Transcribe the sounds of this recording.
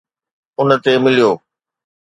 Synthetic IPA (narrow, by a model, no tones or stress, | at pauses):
ʊnə̆t̪emɪlijoː